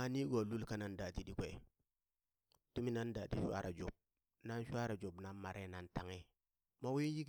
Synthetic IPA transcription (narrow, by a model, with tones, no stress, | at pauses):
a˨ni˦ɡo˨lu˦lka˦na˦nda˨ti˦ɗi˦kʷe˨ | tu˦mi˦na˦nda˨ti˦ʃʷa̰˦ɾʔa̰˨d͡ʒo˨b̚ | na˦n˦ʃwa˦ɾa˨d͡ʒo˨bna˦nma˨ɾʔe˦na˨nta˨ŋe˦ | ma˦wi˦ji˦k